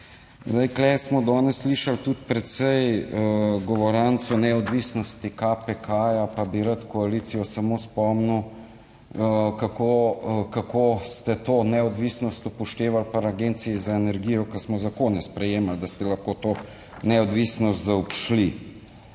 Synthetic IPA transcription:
zd̪ajklɛsmɔd̪ɔːnɛsːliʃalt̪ut̪pɾɛt̪sɛj | ɡɔʋɔɾant̪sunɛɔd̪ʋisnɔst̪ikapɛkaːjapabiɾat̪kɔalit̪sijɔsamospɔmnu | kakokakost̪ɛt̪oːnɛɔd̪ʋisnɔst̪ɔpɔʃt̪eːʋalpaɾaɡeːnt̪siizaenɛɾɡijɔkasmɔzakonɛspɾɛjeːmald̪ast̪ɛlaxkot̪oː | nɛɔd̪ʋisnɔst̪zaɔpʃli

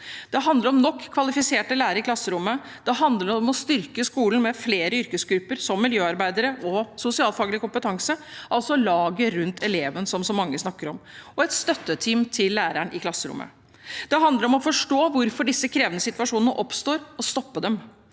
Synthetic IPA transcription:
d̪̥ɛɦɑnd̪ləɾɔmnɔkʰːʋɑlɪfɪseːʈəlæːɾəɾɪkʰlɑsːəɾʊmːə | d̪̥ɛɦɑnd̪ləɾɔmɔst̪ʏɾkəskuːlən̩mɛfleːɾəʏɾkəsɡɾʉpːəɾsɔmːɪljøːɑɾbæɪd̪əɾəɔsʊsɪɑːlfɑːɡəlɪkʊmpət̪ʰɑŋsəʔɑlsɔlɑːɡəɾʉnt̪ʰɛleːʋənsɔmsɔmːɑŋːəsnɑkːəɾɔmɔɛt̪st̪œt̪ːət̪ʰiːmt̪ʰɪlːæːɾæɳʔɪkʰlɑsːəɾʊ̰mːʔə̰ | d̪̥ɛɦɑnd̪ləɾɔmɔfɔʂʈoːʋʊɾfɔɖɪsːəkʰɾeːʋənəsɪt̪ʋɑʂuːnənəʔɔpst̪oːɾɔst̪ɔpːəd̪ɛm

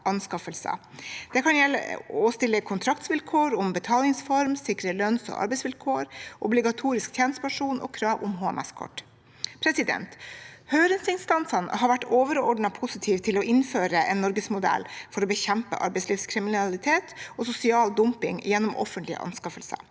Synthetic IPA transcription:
ʔɑnskɑfəlsə̰ | d̪̥ɛkʰɑnjɛlːə̰ost̪ɪlːəkʰʊnt̪ʰɾɑkt̪sʋɪlkʰoːɾʊmbət̪ʰɑːlɪŋsfɔɾmsɪkɾəlœnsɔ̰ːʔɑ̰ɾbɛɪsʋɪlkʰoːɾʔɔblɪɡɑt̪ʰuːɾɪskt̪ʰjɛːnəst̪əpɑʂuːnʔo̰ːkʰɾɑːʋʊmɦoːɛ̰mʔɛ̰skʰɔ̰ʈ | pʰɾɛsɪd̪ɛ̰nt̪hœʏɾənsɪnst̪ɑnsɑnhɑɾʋæʈːoːʋəɾɔ̰ɖɳɑpʰʊsɪt̪ʰiːʋt̪ʰɪlɔʔɪnføːɾəʔeːnːɔɾɡəsmʊd̪ɛ̰lfɔɾoːbəçɛmpə̰ʔɑ̰ɾbɛɪsliːʋskʰɾɪmɪnɑlɪt̪ʰeːt̪osʊsɪɑːld̪ʊmpɪŋjɛnːʊmʔɔ̰fənt̪lɪə̰ʔɑ̰nskɑfəlsə̰

